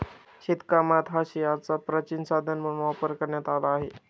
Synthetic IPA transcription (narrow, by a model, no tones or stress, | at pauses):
ɕit̪kamat̪ʰɦaɕiat͡sapɾət͡ɕinsad̪ʱənməmʋapəɾkəɾɳjat̪alaːɦe